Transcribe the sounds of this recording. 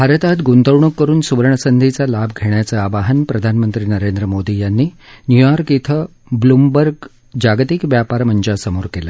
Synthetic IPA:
bʱaɾət̪at̪ɡunt̪əʋɳukːəɾuːnsuʋɾəɳəsənd̪ʱit͡salabɡʱeɳjat͡səaʋaɦənpɾəd̪ʱanmənt̪ɾiːnəɾend̪ɾəmod̪ijanːiː | njujaɾkit̪ʰə | blumbəɾɡ | d͡ʑaɡt̪ikʋjapaɾməɲd͡ʑasəmoɾkela

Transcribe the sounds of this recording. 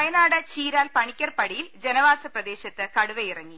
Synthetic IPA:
ɐjɐnaːɽɐt͡ɕiːɾaːlpɐɳikʲːɐrpɐɽijild͡ʑenɐʋaːsɐprɐd̪e̞ːɕɐt̪ːɨkɐɽuʋejirɐŋːi

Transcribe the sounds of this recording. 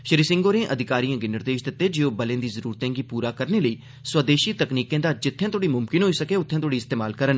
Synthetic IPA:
ʃəɾiːsɪ̃ŋɡoːɾẽːʔəd̪ʱɪkaːɾijãːɡinɪɾd̪eːʃd̪ɪt̪ːeːd͡ʒeːoːbəlẽːd̪iːzəɾuːɾt̪ɛ̃ːɡiːpuːɾaːkəɾneːləiː | swəd̪eːʃiːt̪əkniːkẽːd̪aːd͡ʒɪt̪ʰːjãːt̪ʰoːɽiːmʊmkɪnɦoːiːsəkeːʊt̪ʰːjãːt̪ʰoːɽiːɪst̪eːmaːlkəɾən

